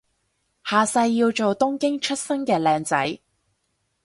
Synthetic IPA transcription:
haː˨sɐ˧jːiː˧wt͡ʃo˨wt̪ʊ˥ŋkɪ˥ŋt͡ʃʰɵ˥t̚sɐ˥ŋkɛː˧lɛː˨˧ŋt͡sɐ̰˨˥j

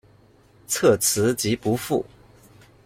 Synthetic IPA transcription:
t͡sʰɤ˥˩t͡sʰɹ̩˧˥t͡ɕi˧˥pu˧˥fu˥˩

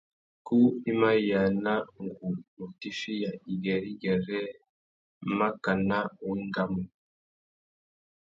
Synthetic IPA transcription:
ku˦i˦ma˦˨ja˨na˦ŋɡu˨mu˨ti˦ʃi˦ja˨i˨ɡe˨ɾi˦ɡe˨ɾe˦ | ma˦ka˨na˦wi˦ŋɡa˦mu˨

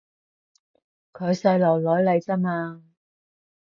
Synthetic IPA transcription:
kʰɵ˨˧ɥsɐ˧jlɐ˨˩wlɔː˨˥jle˨˧jt͡sɐ˥maː˧

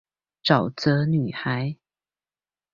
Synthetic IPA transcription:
ʈ͡ʂɑ˨˩ʊt͡sə˧˦ny˨˩xa˨˧˦ɪ

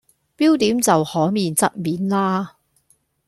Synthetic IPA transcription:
piː˥wt̪iː˨˥mt͡sɐ˨whɔː˨˥miː˨nt͡sɐ̰˥t̚miː˨˥nlaː˥

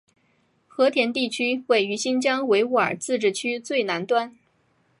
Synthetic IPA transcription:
xɤ˧˥t̪ʰjɛ˧˥nt̪i˥˩t͡ɕʰy˥we˥˩ɪy˧˥ɕi˥nt͡ɕjɑ˥ŋwe˧˥ɪu˥˩ə̰˞˨˩t͡sɹ̩˥˧ʈ͡ʂɻ̩˥˩t͡ɕʰy˥t͡swe˥˩ɪna˧˥nt̪wa˥n

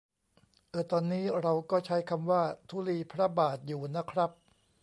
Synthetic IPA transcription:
ʔɤː˧˩t̪ɔː˧nːiː˦˥ɾa˧wkɔː˥˩t͡ɕʰa˦˥jkʰa˧mwaː˥˩t̪ʰuː˦˥˩liː˧pʰɾa˦˥baː˨˩t̪̚juː˨˩na˦˥kʰɾa˦˥p̚

